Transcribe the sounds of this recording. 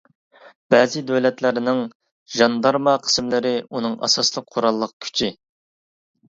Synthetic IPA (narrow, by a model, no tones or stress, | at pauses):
b̥ɛːzɪd̪øwlɛt̪lɪɾnɪŋ | ʒɑnd̪ɑɾmɑqʰə̥smlɪɾɪunɨŋɑ̰sɑslˠəq̚qʰːoɾɑlˠːəq̚kʲʰy̥t͡ʃʰi